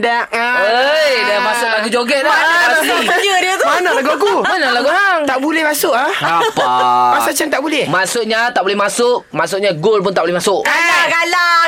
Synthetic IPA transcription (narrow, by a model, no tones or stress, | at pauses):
daʔ | əjdamasʊk̚laɡud͡ʒoɡɛʔ̚daanaaiad͡ʒədiət̪manalaɡuaɡumanalaɡuaŋt̪aʔbulɛhmasʊʔaapmasat͡ʃəŋt̪aʔbulɛhmasʊʔɲat̪aʔbulɛhmasʊʔ̚masʊʔɲaɡolp̬ʊnt̪aʔbulɛhmasʊʔkalakala